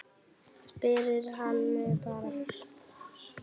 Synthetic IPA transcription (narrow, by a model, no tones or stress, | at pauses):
spɪɾɪɾ̥ɦanmɪpaːɾa